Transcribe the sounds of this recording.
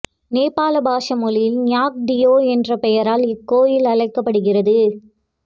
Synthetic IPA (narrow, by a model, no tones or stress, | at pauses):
neːpːaːlɐbaːʂɐmʊlɪjɪlnjaːk̚ɖɪjoːɛndrɐpɛjɐɾaːlɪkːoːjɪlɐɭɐɪkːɐpːɐɽɯɣɪrɐðɯ